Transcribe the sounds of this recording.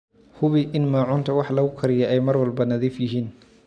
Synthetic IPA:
hʊβiʔɪnmaːʕʊnt̪ʰɐwɑħlɐɣʊkʰɐɾɪjɐʔɛjmɐrwɐlbɐnɐðiːfjɪɦiːn

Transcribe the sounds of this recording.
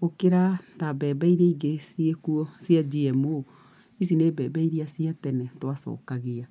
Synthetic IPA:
okeɾatabɛːbaiɾɛiɡesiekuɔsjad͡ʒiɛmo | is̬ineːbɛːbaiɾiasiatɛnɛtwasɔ̰ːkaɣea

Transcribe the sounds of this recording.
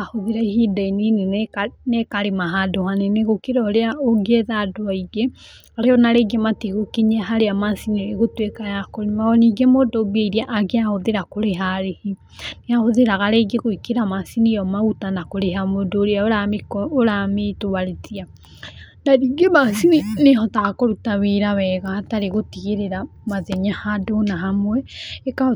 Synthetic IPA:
ahoðeɾaihidaininenekaɾemaɦadohaneneɣokeɾɔɾeaoɡeðadoaiɡe | aɾeɔnaɾeɡemateɣokeɲaɦaɾeamasineɾeɣotwekajakɔɾimaɔniɡemodoβeiɾiaʔaɣeahoðeɾakoɾeɦaɾehi | neahoðeɾaɣaɾeɡeɣoikeɾamasinijɔmautanakoɾeɦamodoɾeaoɾamekɔoɾametoβaɾetia | naɾiɡemasininehɔtakoɾutaβeɾaβɛɣahataɾeɣotiɣeɾeɾamaðɛɲahadonaɦamwɛeka

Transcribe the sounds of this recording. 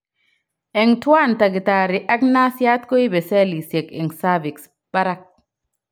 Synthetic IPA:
ɛŋtwantaɡitaɾiʔaknasjat̪koibɛsɛlisjɛkɛ̰ŋsaviks | b̥aɾak̚

